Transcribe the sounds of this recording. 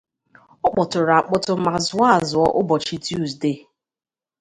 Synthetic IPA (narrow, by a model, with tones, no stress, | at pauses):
ʊ˦k͡pɔ˨tʊ˨ɾa˨k͡pʊ˨tʊ˨ma˨zʊ˨˦a˦˨zʊ˨ɔ˦ʔʊ˦bɔ˨t͡ʃi˦tu˦˨zde˦˨